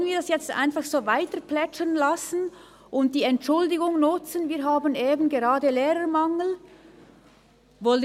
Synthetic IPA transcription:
ənviːɐdɑsjɛt͡stʔa̰ɪnfɑχsoːvaɪtəɾplɛt͡ʃənlasn̩ | ʔʊnt̚d̥iːɛntʃʊldɪɡʊŋnʊt͡sənviːɾɦaːbəneːbənɡeʁɑːdəleːɾəmaŋəl̩ | voːl

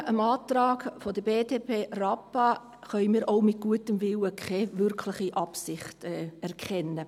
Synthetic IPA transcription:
ʔəmɑːtɾɑːɡfodəb̥eːdeːpʰeːrɑpɑ | χœʏmiːɾʔoʊmɪt̚ɡ̥uətəmvɪwəkʰχɛːvʏrkʰlɪχiʔɑpsɪχtɛɛɾkʰɛnːə

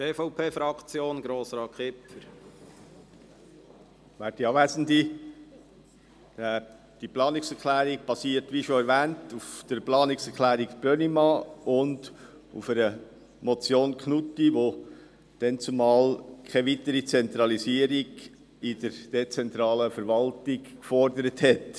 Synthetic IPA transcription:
teːfɔʊpʰeːfɾɑkt͡sjoːnɡɾoːsɾɑːχɪpfəɾ | ʋæːt̚diɑːʋæːsəndi | d̥iplɑːnɪksɛɾklæːɾiɡ̚b̥ɑsiːəɾtʋiʃoɛɾvæːntufd̪̥əɾplɑːnɪksɛɾkʰlæːɾiɡb̥ønimɑʊnd | ṵfəɾə | mot͡sjoːnkχnutːiʋo | d̥ɛnt͡sumɑːlkʰɛʋitəɾit͡sɛnt̪ɾɑlisiəɾiɡ | ɪd̥əɾd̥et͡sɛnt̪ɾɑːləfəɾʋɑltɪɡkfɔɾdəɾəthɛt

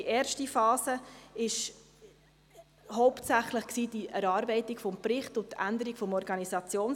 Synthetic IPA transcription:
iʔɛːɾʃtifɑːsəɪʃ | hɔʊptsæχləχksiːdiʔɛɾɑːɾbɛɪtikfɔmprɪχtʊt̪æ̰nd̪əɾikfɔmɔɾɡ̥ɑnisɑt͡sjoːn

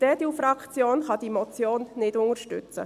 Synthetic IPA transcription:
d̥ɛd̥iufɾɑkt͡sjoːnχɑd̥imɔt͡sjoːnnɪdʊŋəɾʃtʏ̰t͡sə̰

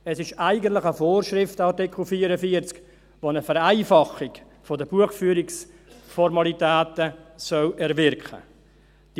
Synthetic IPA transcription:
ɛsɪʃaɪɡəntlɪχəfoːrʃɾɪftɑrtɪkl̩fiːəɾəfiəɾt͡sk | vonəfəɾaɪfɑχɪk | fodəb̥uəχfyːɾɪks | fɔɾmɑlitɛːtəsœlʔɛɾvɪɾkχə̰ | d̥i

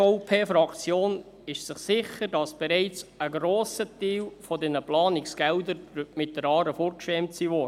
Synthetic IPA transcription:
ɔpʰeːfɾɑkt͡sjoːn | ɪʃsɪχsɪχəɾdɑsb̥ɛɾɛɪt͡səɡɾoːsətiːlfɔdɛnəplɑːnɪksɡ̥ɛldəmɪt̚d̥əɾɑːɾəfoːɾkʃɛmtsiːvoːɾ

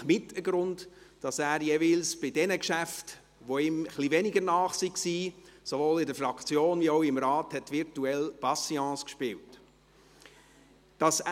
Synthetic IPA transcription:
mɪtəɡɾʊndd̥ɑsæːɾjevɪlsb̥ɪdɛnəkʃæft | ʋoɪməχlivɛnɪɡəɾnɑːχsiksiːsovoːlɪdəfɾɑkt͡sjoːnviɔʊɪmɾɑːthɛtvɪɾtuɛlpɑsiɑ̃ːskʃpɪwt | d̥ɑs

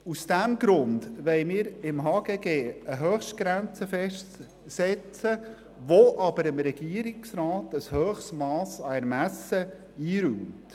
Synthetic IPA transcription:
usd̥æmɡɾʊndʋɛɪmɪːɾɪmɦɑːɡ̥eːɡeːəɦøːxʃtɡ̥ɾænt͡səfɛʃt | sɛt͡sə | ʋoʔɑbəɾəmɾɛɡ̥iəɾɪksɾɑːtəshøːχsmɑːsɑɛɾmæsə | iːɾyːmt

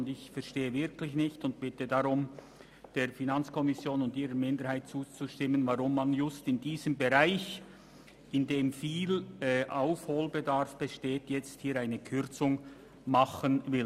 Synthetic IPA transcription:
ndɪçfɛʁʃteːəvɪɾkʰlɪçnɪçtʊnt̚b̥ɪtədaʁʊm | d̥eːɾfinant͡skʰɔmɪsjoːnʊndiːɾəmɪndəɾhaɪt̚t͡suːt͡suʃtɪmːənvaʁʊmːanjʊstɪndiːzəmbeʁaɪç | ɪndeːmfiːlɛʔaʊfhoːlbedaɾfb̥eʃteːtjɛt͡sthiːɾaɪnəkʰʏrɾt͡sʊŋ | maχənvɪl

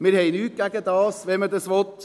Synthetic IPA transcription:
mɪɾheɪnʉːkækət̪ɑsʋɛmɛt̪əsʋɔt̪

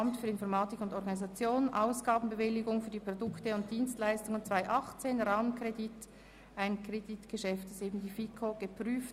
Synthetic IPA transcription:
mtfyːɐɪnfɔʁmɑːtɪkʊndɔʁɡɑnizɑt͡sjoːnənʔaʊsɡ̥aːbn̩bəvɪlːɪɡʊŋfyːdipʁ̥odʊktəʊnt̚d̥iːnstlaɪstʊŋənt͡sv̥aɪʔɑχt͡seːnʁɑːmənkʁedit | ʔaɪnkreditɡ̥əʃɛftdaseːbn̩diːfikʰoɡ̥əpʁyːf

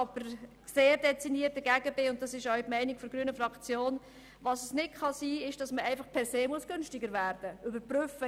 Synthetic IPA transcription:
ɑb̥əɾ | seːɾdɛt͡siniːət̚ːəɡæɡəbɪʊnt̚d̥ɑsɪʃɔʊtmɛɪnɪkfɔɾɡɾyənəfɾɑkt͡sjoːn | ʋɑːsəsnɪtχɑsiːɪʃd̥ɑsməʔɛɪfɑχpʰɛɾseːmuəsɡ̥ʏnʃtɪɡəɾvæːɾd̥əʏbəɾprʏfə

